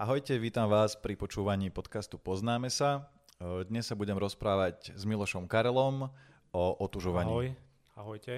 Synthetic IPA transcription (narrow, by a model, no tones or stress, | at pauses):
aɦɔjcɛʋiːt̪amʋaːspɾipɔt͡ʃuːʋaɲiːpɔt̪kast̪upɔznaːmɛsa | d̪ɲɛsːabuɟɛmɾɔspɾaːʋaɟzmilɔʃɔmkaɾɛlɔm | ɔʔɔt̪uʒɔʋaɲiː | aɦɔjɛ